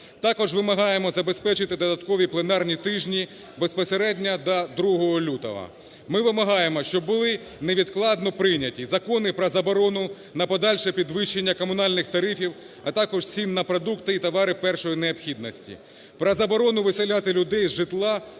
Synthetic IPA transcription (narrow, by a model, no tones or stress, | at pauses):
t̪ɑkɔʒʋɪmɐɦɑjemɔzɐbe̞spɛt͡ʃɪt̪ɪd̪ɔd̪ɐt̪kɔʋʲiplˠenɑrnʲit̪ɪʒnʲi | bespɔseɾɛdʲnʲɐd̪ɐd̪ɾuɦɔɦɔlʲut̪ɔ̰ʋɐ̰ | mɪʋɪmɐɦɑjemɔʃt͡ʃɔbbʊlˠɪ | neʋʲid̪klˠɑd̪nɔpɾɪnʲɐtʲizɐkɔnɪpɾɐzɐbɔɾɔnʊ | nɐpɔd̪ɑlʲʃɛpʲid̪ʋɪʃːenʲːɐkɔmʊnɑlʲnɪxt̪ɐɾɪfʲiw | ɐt̪ɑkɔʒt͡sʲinːɐpɾɔd̪ukt̪ɪit̪ɔʋɑɾɪpɛrʃɔjineɔpxʲid̪nɔsʲtʲḭ | pɾɐzɐbɔɾɔnʊʋɪselʲat̪ɪlʲʊd̪ɛjzʒɪt̪lˠɑ